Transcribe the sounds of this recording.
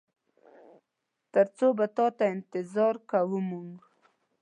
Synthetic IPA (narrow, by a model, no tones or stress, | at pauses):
t̪əɾt͡sobat̪ɑt̪aɪnt̪ɪzɑɾkawumuŋɡ